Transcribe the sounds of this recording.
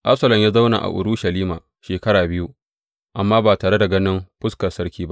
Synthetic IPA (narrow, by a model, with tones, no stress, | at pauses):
ʔa˦psɐ˨lɐ˨mjaː˦za˦wna̰˨ʔa̰˨ʔʊ̰˨ɾuː˦ʃɐ˨liː˦ma̰ː˨ | ʃeː˨kɐ˦ɽaː˨bɪ˦ju˦ | ʔa˨mːaː˦baː˨taː˨ɽe˦da˨ɡɐ˦nɪ˦mɸʊ˦skɐ˨sɐ˦ɽkʲiː˦ba˦ʔ